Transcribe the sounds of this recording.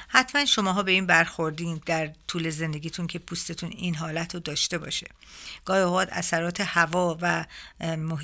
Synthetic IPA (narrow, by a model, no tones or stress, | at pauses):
hæt̪ʰmænʃo̞mɒːɦɒːbe̞iːnbæɾxo̞ɾd̪iːnd̪æɾt̪ʰuːle̞ze̞nd̪eɡiːt̪ʰunkʰe̞pʰust̪e̞t̪ʰuniːnɦɒːlæt̪ʰɾod̪ɒːʃt̪e̞bɒ̰ːʃe | ɡ̥ɒːjioɣɒd̪æ̰sæɾɒːt̪ʰe̞hævɒːvæ | moɦ